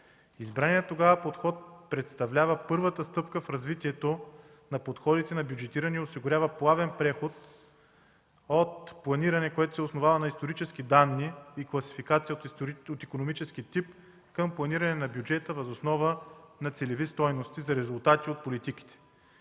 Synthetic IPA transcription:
izbɾaniət̪ːoɡavəpot̪xɔt̪̚pɾɛt̪st̪ɐvlʲavəpɤɾvət̪əst̪ɤpkəfɾɐzvit̪iɛt̪o | nɐpot̪xɔd̪it̪ɛnɐbʲjud͡ʒɛt̪iɾɐniosiɡʊɾʲavəplˠavɛnpɾɛxot̪ | ot̪̚plˠɐniɾɐnɛkoɛt̪o̥sɛosnovavɐnɐist̪oɾit͡ʃɛskid̪anːiːklˠɐsi̥fikat̪sijəot̪ikonomit͡ʃɛsk̟it̪ip | kəmplˠɐniɾɐnɛnɐbjud͡ʒɛt̪əvɐzosnɔvənɐt̪sɛlɛvist̪ɔjnost̪izɐɾɛzʊlˠt̪at̪iot̪̚polit̪ik̟i̥t̪ɛ̥

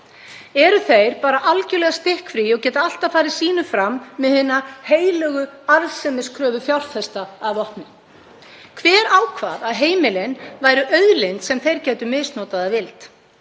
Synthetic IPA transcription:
ɛɾʏθejɾpaːɾaʔalcʏlɛɣast̪ɪhkfɾiɔɣcɛːt̪aal̥t̪afaːɾɪð̥siːnʏfɾamːɛðhɪnːaheːjlœːɣʏaɾsɛmɪskʰɾœːvʏθjawl̥fɛst̪aːvɔhpnɪ | kʰvɛːɾaːwkʰva̰ːðaðɦeːjmɪlɪnvaːjɾʏʔœɥðlɪnt̪sɛmθejɾcɛːt̪ʏmɪsnɔːt̪aðavɪlt̪

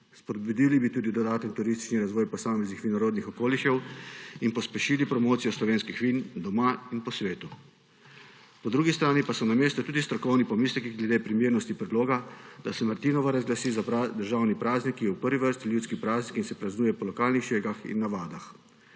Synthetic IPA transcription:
spɔd̪̚bud̪ilibit̪uːd̪id̪ɔd̪aːt̪ɛnt̪uɾist̪i̥t͡ʃniɾazʋɔːjpɔsaːmɛznixʋinɔɾoːd̪nixɔkoːliʃɛwinpɔspɛʃiːlipɾɔmoːt̪sijɔslɔʋeːnskixʋiːnd̪ɔmainpɔsʋeːt̪u | pɔd̪ɾuːɡist̪ɾaːnipasɔnameːst̪ɔt̪uːd̪ist̪ɾɔkɔwnipɔmiːslɛkiɡlɛd̪eːpɾimjeːɾnɔst̪ipɾɛd̪loːɡad̪asɛmaɾt̪inɔʋaɾazɡlasiːzaad̪əɾʒaːwnipɾaːznikːijɛwpəɾʋiʋəɾst̪iljuːtskipɾaːznikinsɛpɾaznuːjɛpɔlɔkaːlnixʃeːɡaxḭnːaʋaːd̪ax

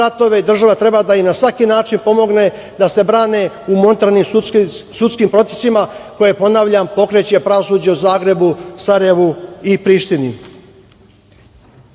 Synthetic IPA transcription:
at̪o̞ʋe̞id̪r̩ʒaʋat̪ɾe̞bad̪aimnasʋakinaːt͡ʃinpo̞mo̞ɡne̞ | d̪ase̞bɾaːne̞ | umo̞nt̪aɾnimsut̪skimpɾo̞t̪e̥simako̞jepo̞naʋʎampo̞kɾet͡ɕepɾaʋo̞suːd͡ʑeuzaːɡɾe̞busaɾajeʋuipɾiːʃt̪inḭ

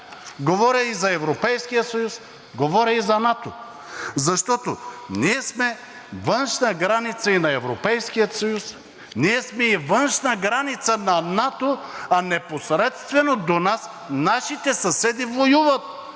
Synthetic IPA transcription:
ɡovɔɾʲɐizɐɛvɾopɛjskijət̪sɐjus | ɡovɔɾʲɐizɐnat̪o | zɐʃt̪ɔt̪oniɛsmɛ | vɤnʃnɐɡɾanit̪sɐinɐɛvɾopɛjskijət̪sɐjus | niɛsmɛivənʃnɐɡɾanit̪sənɐnat̪oɐnɛposɾɛt̪st̪vɛnod̪onas | naʃit̪ɛsɐsɛd̪ivlojuvɐt̪̚

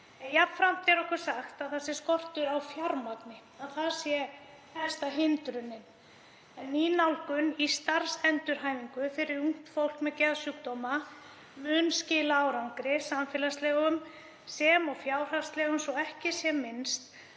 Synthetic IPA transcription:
ɛnjafɾam̥t̪ɛɾɔhkʏɾ̥saxt̪aðθasɪ̥skɔr̥t̪ʏɾawfjawɾmat̪nɪ | aðθaðsjɛ | θɛst̪aɦɪnt̪ɾʏnːɪn | ɛnːinawlkʏnist̪aɾ̥sɛnt̪ʏɾ̥ɦaːjviŋkʏfɪɾɪɾuŋ̥t̪fowl̥kmɛðcɛðsjuk̚t̪ɔma | mʏnscɪːlawɾawŋkɾɪsamfɛːlast̪lɛːɣʏm | sɛmɔɣfjaːwr̥hḁst̪lɛːɣʏmsɔɛhcɪsjɛmɪnst̪

